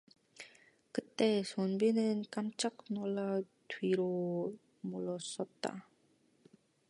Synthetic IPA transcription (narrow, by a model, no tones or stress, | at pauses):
kɯt͈e̞sonbinɯnk͈amt͡ɕ͈ak̚noɭːa | tɥiɾo | moɭːʌs͈ʌt̚t͈a̰